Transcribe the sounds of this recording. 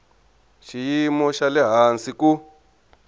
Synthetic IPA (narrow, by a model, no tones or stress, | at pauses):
ʃijimɔʃalɛɦansiku